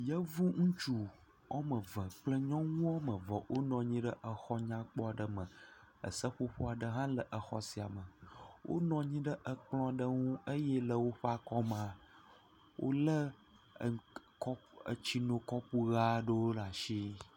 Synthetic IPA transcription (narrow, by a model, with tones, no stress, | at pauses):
jə˦vu˦ŋũ˦t͡ʃu˨ | ɔ̰˦mə˨və˨k͡plə˦ɲɔ̃˦ŋũ˦ɔ˦mə̃˨vɔ˨wʔo˦nɔ̃˨ɲĩ˦ɖə˦ʔə˨xɔ˦ɲã˦k͡pɔ˦a˨ɖə˨mə̃˨ | ə̰˨sə˦ɸo˦ɸo˦a˨ɖə˦ɦã˦lə˨ʔə˨xɔ̰˨si˨a˨mə˨wʔo̰˦nɔ̃˨ɲĩ˦ɖə˦ʔə˨k͡plɔ̃˦˨ɖə˦ŋũ˦ə˦jɛ˦lə˨wo˦ɸa˦kɔ˦m˨ã˨ | wʔo̰˦lə˦˨ | kɔ˦ə̰˨t͡ɕi˦nõ˨kɔ˦ɸu˦ɣa˦ɖə˦wo˦la˨ʃi˦